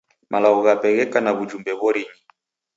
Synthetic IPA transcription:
mʔalaɔɣapɛɣɛkanaβud͡ʒumbɛβɔɾini

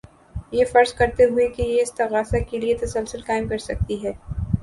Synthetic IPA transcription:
jefɐɾzkɐɾt̪eɦʊekejeɪst̪ɐɣaːsakeliet̪ɐsəlsʊlkaːɪmkɐɾsɐk̚t̪iɦɛː

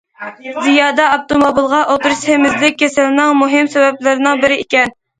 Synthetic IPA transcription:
zijɑːd̪ɑɑp̚t̪omobilˠʁɑʔot̪ɾushemɪzlɪk̚ʲːʰesɛlɪnɪŋmuɦɪmsɛwɛblɪɾɪnɪŋbɪɾɪikʲɛn

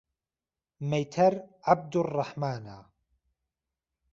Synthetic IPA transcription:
mejt̪ʰɐɾʕab̚d̪ʊrˤːɑħmaːnaː

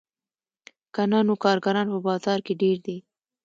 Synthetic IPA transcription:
kanɑnokɑɾɡaɾɑnpəbɑzɑɾkeɖeɾd̪e

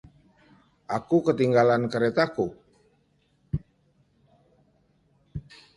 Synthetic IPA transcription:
ʔakukət̪iŋɡalankəɾet̪aku

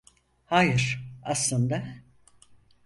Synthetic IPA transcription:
haːjɯɾ̥aslˠɯnd̪a

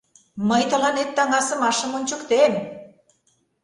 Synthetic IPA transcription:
məjt̪ə̆lɑnet̪ːɑŋɑsə̆mɑʃə̆monʲt͡ɕə̆kt̪em

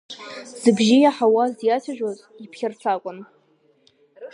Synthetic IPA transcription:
z̥ɨbʒɪjaħawazjat͡sʰaʒᶣwaz | ipʰχʲɪrt͡sʰakʷʼʊn

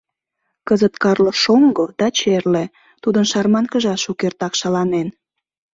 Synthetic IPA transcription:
kəzət̪kɑrləʃoŋɡod̪̥ɑt͡ɕerle | t̪ud̪ənʃɑrmɑnkəʒɑʃukert̪ɑkʃɑlɑnen

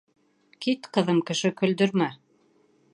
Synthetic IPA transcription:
kit̪qɤ̆ðɤmkɘ̆ʃɘkɵ̆ld̪ɵ̆ɾmæ

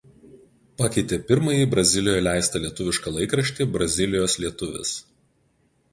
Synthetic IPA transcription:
pɑkʲɛɪt̪ʲeːpʲɪɾmɐjiːˑbɾɐzʲɪlʲɪjojɛlʲæˑɪst̪ɐlʲiɛt̪ʊʋʲɪʃkɐlˠɐɪkɾɐʃʲt̪ʲibɾɐzʲɪlʲɪjoːslʲiɛt̪ʊʋʲɪ̰s

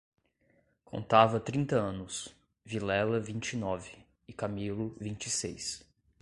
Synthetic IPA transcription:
kʰõ̰nt̪avɐt̪ɾĩnt̪ɐɐ̃nʊs | vilɛlɐvĩt͡ʃɪnɔvɪː | kamilʊvĩnt͡ʃɪsejs

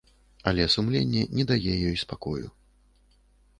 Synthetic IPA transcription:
ɐlʲɛsumlʲenʲːɛnʲɛd̪ajɛjɔjspakɔjṵ

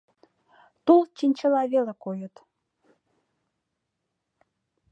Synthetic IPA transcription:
t̪ulˠt͡ɕinʲt͡ɕə̆lɑβelekojət̪

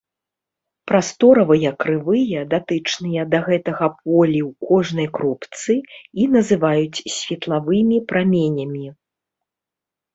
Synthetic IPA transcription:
pɾast̪ɔɾɐvɐjɐkɾɨvɨjɐd̪at̪ɨt͡ʂnɨjɐd̪ɐɣɛt̪ɐɣɐp̚ɔlʲiwkɔʐnɐjkɾupt̪sɨinɐzɨvajut͡sʲsʲvʲɛt̪lˠavɨmʲipɾamʲenʲɐmʲi

